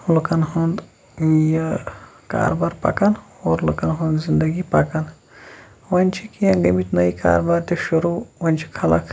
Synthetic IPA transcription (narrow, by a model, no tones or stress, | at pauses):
lukɐnɦund̪ | jɐ | ka̰ːɾbaːɾpɐ̰kɐn | oːɾlukɐnɦond̪zind̪ɐɡipɐkɐn | ʋɐnʲt͡ʃʰikijɐ̃ɡɐmit̪nɐika̰ːɾbaɾt̪eʃuɾuʋɐnʲt͡ʃʰi̥kʰɐlɐ̰kʰ